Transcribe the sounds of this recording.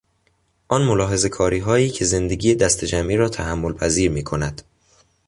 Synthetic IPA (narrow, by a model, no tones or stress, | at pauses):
ʔɒːnmolɒːɦe̞ze̞kʰɒːɾiːɦɒːiːcʰe̞ze̞nd̪e̞ɡiːjed̪æst̪ʰed͡ʒæmʔiːɾɒːt̪ʰæɦæmːolpʰæziːɾmiːkʰo̞næd̪̥